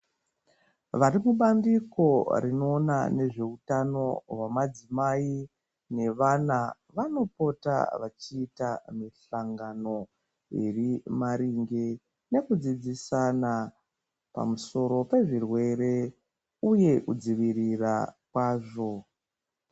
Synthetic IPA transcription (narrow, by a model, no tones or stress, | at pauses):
ʋaɾimuɓandiko̞rino̞ːnane̞ʐe̞utano̞wamad͡zimai | ne̞ʋana | ʋano̞po̞ta̰ʋat͡ʃiːtamiɬaŋɡano̞ | ḛrimaɾiŋɡe | ne̞kud͡zid͡zisana | pa̰muso̞ɾo̞pe̞ʐirwe̞ɾe̞ | uje̞ʔud͡ziʋirirakwaːʐo̞